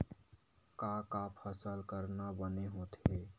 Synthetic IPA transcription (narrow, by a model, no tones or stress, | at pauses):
kakapʰəsəlkəɾnabəneɦot̪ɦe